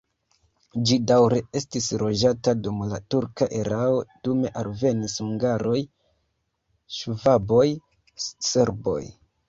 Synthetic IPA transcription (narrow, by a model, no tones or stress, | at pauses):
d͡ʒidawɾe̞e̞stisɾo̞d͡ʒatadumla̰tuɾkaʔeɾaod̥ume̞ʔalve̞nishuŋɡaɾo̞j | ʃvabo̞j | se̞ɾbo̞̰j